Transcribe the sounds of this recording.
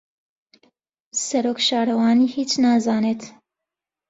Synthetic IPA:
sɐɾoːkʃaːɾɐwɑːniːhiːt͡ʃnaːzɑːneːt̪

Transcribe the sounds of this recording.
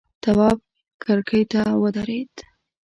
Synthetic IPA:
t̪awɑb̚ | kaɾkəjt̪awəd̪aɾed̪

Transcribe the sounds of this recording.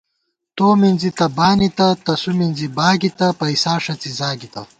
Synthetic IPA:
t̪oːminzit̪ɐbaːnit̪ɐt̪ɐsuminzibaːɡit̪ɐpɐisaːʂɐt͡sizaːɡit̪ɐ

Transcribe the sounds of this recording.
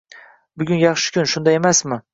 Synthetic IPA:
bʊɡʲʊnjɑχʃɪ̥kʲʰʊnʃʊnd̪ajemasmɪ

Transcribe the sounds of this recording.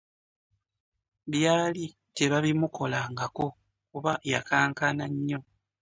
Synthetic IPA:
βjaːli | te̞βaβimuko̞laːŋɡako̞ | kuβajakaːŋkanaɲːo̞

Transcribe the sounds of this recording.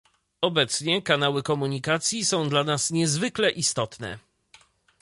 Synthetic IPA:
ɔbɛt̪sɲɛkanawɘkɔmuɲikat̪sʲjisɔ̃w̃d̪lanasɲɛzvɘklɛʔist̪ɔt̪nɛ̰

